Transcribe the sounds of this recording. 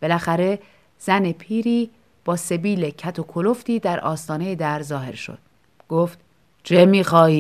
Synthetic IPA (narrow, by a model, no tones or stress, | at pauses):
b̥e̞læxæɾe̞ | z̥æne̞pʰiːɾiː | b̥ɒːse̞biːle̞cʰæt̪ʰo̞kʰolo̞ft̪iːd̪æɾɒ̰ːst̪ɒːne̞je̞d̪æɾzɒːɦe̞̰ɾʃo̰d̪̥̚ | ɡ̥oːft̪ | t͡ʃʰemiːxɒːiː